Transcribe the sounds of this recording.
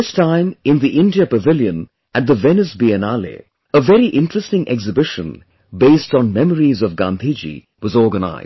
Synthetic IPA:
ɪstʰãɪ̃mɪ̃nðiʔɪ̃ndiəpəvɪljə̃n | ʔɨt̪̚ðəvɛnɨsbiɨnalḛ | əvɛɾiʔɪ̃ntɹ̥ɨstɪ̃ŋʔɛksɨbɪʃə̃n | beɪstn̩mɛməɹizʌvɡãnd̪ʱid͡ʒḭ | wʌzɔɹɡəna̰ɪz̥

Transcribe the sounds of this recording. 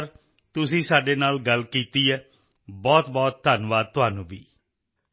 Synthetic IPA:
r | t̪us̬isadenalɡalkit̪iə | bɔt̪̚bɔt̪̚d̪anwat̪uwanubi

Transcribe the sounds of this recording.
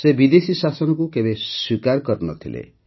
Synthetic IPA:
sebid̪esisasɔnɔkukebeswikaɾkɔɾnɔ̰t̪ʰḭlḛ

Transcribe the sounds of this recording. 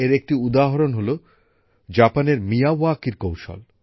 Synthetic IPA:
eɾek̚ʈiud̪aɦoɾonɦolo | d͡ʑapaneɾmijawakiɾkowʃo̰l

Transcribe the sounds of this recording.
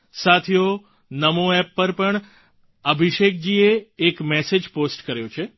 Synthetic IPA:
sat̪ʰio | nəmoɛpːəɾpəɳ | əbʱiʃek̚d͡ʒieːkmɛsed͡ʒposʈkəɾjõt͡ʃʰe

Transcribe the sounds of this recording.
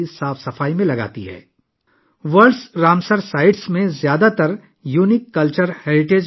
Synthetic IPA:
isaːfsɐfaːimẽlɐɡa̰ːt̪ḭɦɛ̰ː | ʋəɾɖsɾaːmsəɾsaːɪɖsmẽzjaːd̪at̪ɐɾ | juːnɪkːɐlt͡ʃəɾheːɾɪʈeːd͡ʒ

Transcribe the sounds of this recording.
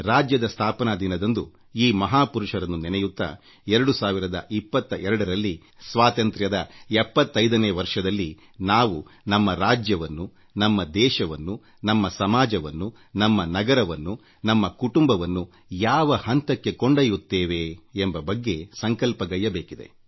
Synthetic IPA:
ɾaːd͡ʒjɐd̪ɐst̪ʰaːpɐnad̪inɐd̪ɐnd̪u | iːmɐɦaːpuɾuʂɐɾɐnːunɛnɛjut̪ːɐ̰ | ɛɾɐɽusaːʋiɾɐd̪ɐ̰ʔipːɐt̪ːɐʔɛɾɐɽɐɾɐlːi | sʋaːt̪ɐnt̪ɾjɐd̪ɐɛpːɐt̪ːɐjd̪ɐneːʋɐɾʂɐd̪ɐlːi | naːʋunɐmːɐɾaːd͡ʒjɐʋɐnːu | nɐmːɐd̪ɛːʃɐʋɐnːu | nɐmːɐsɐmaːd͡ʒɐʋɐnːu | nɐmːɐnɐɡɐɾɐʋɐnːu | nɐmːɐkuʈumbɐʋɐnːu | jaːʋɐhɐnt̪ɐkːe̞koɳɖɐjut̪ːeːʋeːmbɐbɐɡːe̞sɐŋkɐlpɐɡɐjɐbeːkid̪e̞̰

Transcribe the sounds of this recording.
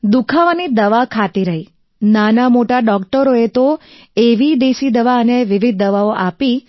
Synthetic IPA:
d̪ukʰaʋanid̪əʋakʰat̪iɾəɦi | nanamoʈaɖɔkʈəɾoet̪o | eʋid̪eʃid̪əʋaəneʋɪʋid̪̚ːəʋaoʔapi

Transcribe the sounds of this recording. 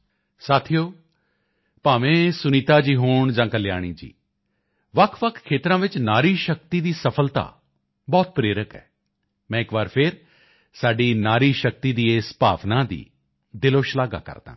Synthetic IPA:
saːt̪ʰijoː | paːʋẽːsʊniːt̪aːd͡ʒiːɦoːɳd͡ʒãːkəljaːɽ̃iːd͡ʒḭː | ʋəkʰʋəkʰkʰːeːt̪ɾãːʋɪt͡ʃnaːɾiːʃək̚t̪iːd̪iːsəpʰəlt̪a̰ː | bɔːt̪̚pɾeːɾəkɛ̰ː | mɛ̃ːɪkbaːɾpʰɪɾ | saːɖiːnaːɾiːʃək̚t̪iːd̪iːeːspaːʋnaːd̪ḭː | d̪ɪloːʃlaːɡa̰ːkə̰ɾd̪ã̰ː

